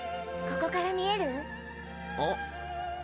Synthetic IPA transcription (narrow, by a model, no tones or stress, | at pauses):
ko̞ko̞kaɾamʲie̞ɾɯ̟ | o